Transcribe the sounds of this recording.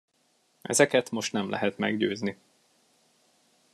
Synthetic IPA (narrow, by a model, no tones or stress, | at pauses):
ʔɛ̰zɛkɛt̪mo̞ʃt̪nɛmlʔɛ̰ɦɛt̪mɛ̰ɡɟøːzni